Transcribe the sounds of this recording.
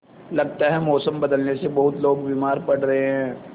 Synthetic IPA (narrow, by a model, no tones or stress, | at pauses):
lɐɡt̪aɦɛmɔːsəmbɐd̪əlnesebɐɦʊt̪loːɡbiːmaːɾpɐɽɾɐɦeɦɛ̃ː